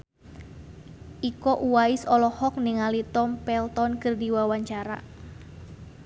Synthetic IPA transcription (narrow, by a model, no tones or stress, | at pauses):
ʔikɔʔuwaɪsɔlɔhɔk̚niŋalit̪ɔmpɛlt̪ɔnkɨrdiwawaɲt͡ʃaɾa̰